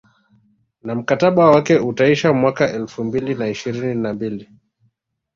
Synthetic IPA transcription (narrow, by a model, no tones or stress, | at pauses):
nam̩kataɓawakɛutaiʃamwakaʔɛlfumbilinaiʃiɾininambili